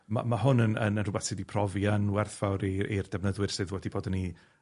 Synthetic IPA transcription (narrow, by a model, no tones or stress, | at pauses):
ma̰maɦʊnənənənrʊbɛθsɨːdipʰrɔvjanwɛrθv̥awɾiird̥ɛvnəðwɪɨr̥sɨːðwɛdiboːdəni